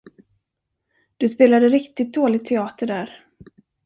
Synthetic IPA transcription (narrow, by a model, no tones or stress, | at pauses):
d̪̥ɵspeːlad̪əɾɪkt̪ɪt̪̚d̪oːlɪɡ̚t̪ʰːɛɑːt̪əɖæːɾ